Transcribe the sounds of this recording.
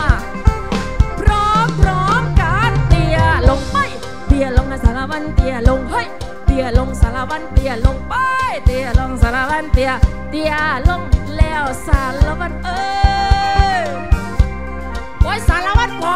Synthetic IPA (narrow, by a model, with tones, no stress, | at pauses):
pɾɔ˧˦pɾɔ˧˦mkaː˧˦nt̪i˧˩əlo˨˧wŋ͡mɓa˧˥j | t̪i˧˩ə˩lo˧wŋa˧sa˨˧laː˧va˧nt̪i˧˨ə˨˩lo˧wŋ͡mɦə˧˨j | t̪i˧˨ə˨˩lo˧wŋ͡msaː˧laː˧va˧nt̪i˧˩ə˩lo˧wŋ͡mɓa˧jt̪i˧˩ə˨˩lo˧ŋ͡msaː˧laː˧va˧nt̪i˧ə˨˩ | t̪i˧əlo˧ŋlɛ˧˨wsa˧˩lə˧va˧nt̪ə˧ | kɔ˧˦jsaː˧laː˧va˧˥nkwa˧˦